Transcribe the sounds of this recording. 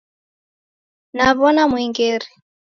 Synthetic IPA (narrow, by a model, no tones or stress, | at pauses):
naβɔnamwiŋɡɛɾi